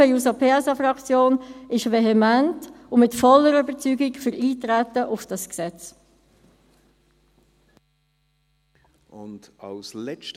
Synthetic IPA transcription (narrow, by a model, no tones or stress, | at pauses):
əjusɑpʰeːɛsɑfɾɑkt͡sjoːnɪʃvɛɦɛmæntʊmɪtfɔlːəɾybəɾt͡syːɡɪkfʏɾiːtɾætːəʔʊfd̥ɑsksɛt͡s | ʊndɑ̰ʊslɛt͡ʃt